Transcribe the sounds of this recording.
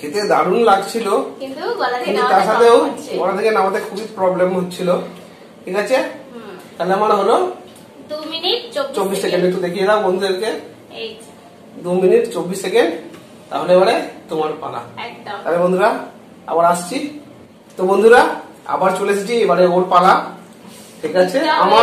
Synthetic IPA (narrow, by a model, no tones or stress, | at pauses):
et̪ed̪ʱaɾunlaɡt͡ɕʰilokint̪ukinut̪aɾʃat̪ʰewmalat̪ʰekenamad̪eɾkʰubitpɾɔblemɦot̪ːt͡ɕʰilo | ʈʰikʰat͡ɕʰe | t̪aleamanaɦolo | d̪uminiʈot͡ɕobːissekenɖikt̪ud̪ekʰijed̪awbond̪ʱueɾke | d̪uminiʈt͡ɕobːissekeɳɖ | t̪a̰ɦoleeβaɽet̪omaɾpa̰la̰t̪alebond̪ʱuɾa | a̰baɾaʃt͡ɕʰi | t̪obond̪ʱuɾa | a̰baɾt͡ɕolesʰit͡ɕʰiebaɽeoɾpala | ʈʰikat͡ɕʰeama